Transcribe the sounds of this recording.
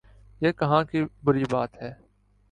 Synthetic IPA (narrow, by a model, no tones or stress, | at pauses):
jeːkəɦãːkibʊɾibaːt̪ɦɛː